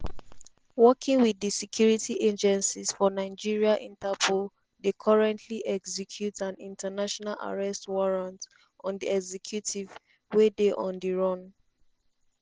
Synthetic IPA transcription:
wɔkʰĩŋwiðisɛkʰjuɹitʰiʔed͡ʒɛ̃nsiz̥fɔnaɪd͡ʒiɹiaʔĩntapʰul | dekʰɔɹɛ̃ntʰliʔɛɡsɛkʰjutãnĩntanaʃɔnalʔa̰ɹɛstwɔɹãnt | ʔɔ̃ndiɛɡzɛkʰjutʰiv | wedeʔɔ̃ndiɹɔ̃n

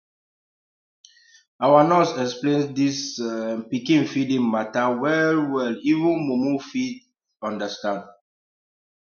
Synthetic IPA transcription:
awanɔsɛksplẽndispikĩnfidĩŋmatawɛlwɛlivũnmomufid | ɔ̃ndastãnd

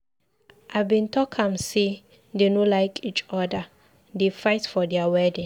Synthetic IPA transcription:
ʔabĩntɔkʰãmse | denolajkʰit͡ʃɔda | defaɪtfɔdɛawɛdĩŋ

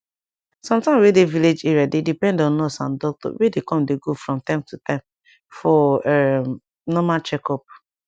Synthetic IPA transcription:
sɔ̃mtãɪmwedeviled͡ʒeɹadedipɛ̃ndɔ̃nɔsã̰ndɔk̚tɔ̰wedekɔ̃mdeɡofɹɔ̃mtãɪ̃mtutãm | fɔɛ | nɔmat͡ʃɛkɔp̚

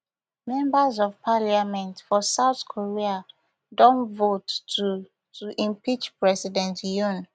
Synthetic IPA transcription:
mɛ̃mbəzɔvpʰaliamɛ̃ntfɔsaʊθkʰɔɹia | dõnvotu | tʰuʔĩmpit͡ʃpɹɛsidɛ̃ntjũn

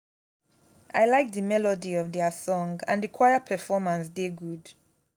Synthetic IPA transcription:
ʔajlajk̚ðəmɛlɔdiɔvðɛəsɔ̃ŋã̰ndɹikʰw̥ajəpʰɛfɔmãnsdeɡud̥

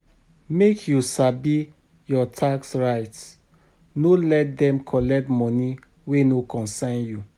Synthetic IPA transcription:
mekʰjusabi | jɔtʰaksɹaɪt | nolɛt̚dɛ̃mkʰɔlɛk̚tmɔ̃ni | wenokɔ̃nsãɪ̃nju

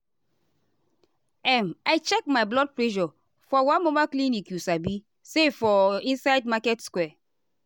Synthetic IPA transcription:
ɛmajt͡ʃɛk̚majblɔd̚pleʒɔ | fɔwãmomaklĩnikjusabi | sefɔĩnsajdmakɛtskwɛ

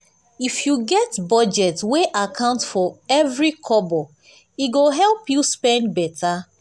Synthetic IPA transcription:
ifjuɡɛtbɔd͡ʒɛtweʔakʰãʊ̃ntfɔɛvɹikʰɔbɔ | iɡoɦɛlˠpjuspɛ̃nd̚bɛtʰa

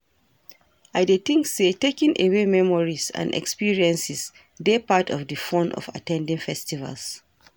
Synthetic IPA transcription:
ʔajdetĩŋksetekĩŋʔewemɛmɔɹizã̰nɛ̰kspiɹiɛ̃nsis | depatʰɔfdɨfɔ̃nʔɔ̰fa̰tɛ̃ndĩŋfɛstiva̰ls

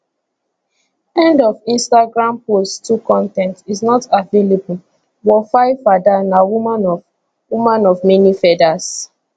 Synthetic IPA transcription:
ɛ̃ndɔvĩnstaɡɹãmposttukɔ̃ntɛ̃ntiznɔtavelebul | wɔfaɪfadanawuma | wumãnɔvmɛnifɛdas

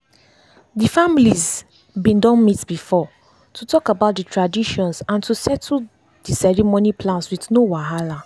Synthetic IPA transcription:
difamiliz | bĩndɔ̃nmitbifɔ | tʰutʰɔkabaʊt̚ditʰɹadiʃɔ̃nsãntʰusɛtʰl | disɛɹimonipʰlãnswiθnowaɦala

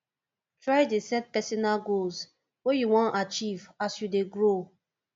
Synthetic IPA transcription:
tɹajdesɛt̚pɛsɔnalɡols | wejuwɔ̃nat͡ʃivasjudeɡɹo

